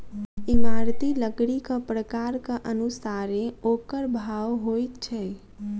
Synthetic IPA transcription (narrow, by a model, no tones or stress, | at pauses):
imaɾt̪iləɡɽikəpɾəkaɾkəʔənusaɾeokəɾbʱawɦojt̪t͡ʃʰɛ